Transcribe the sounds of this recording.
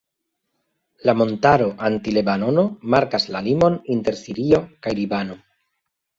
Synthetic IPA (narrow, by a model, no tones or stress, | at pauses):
lamo̞ntaɾo̞ʔantile̞bano̞no̞maɾkaslalimo̞ninte̞ɾsiɾio̞kajlibano̞